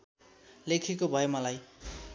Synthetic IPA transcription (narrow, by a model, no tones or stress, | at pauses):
lekʰekobʱʌjmʌlaj